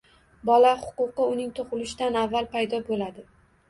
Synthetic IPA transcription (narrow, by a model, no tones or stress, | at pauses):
bɒlahʊ̥qʊqɨʊnɪŋt̪ʰoqʊlɪʃɪd̪anavːalˠpʰajd̪ɒbolad̪ɪ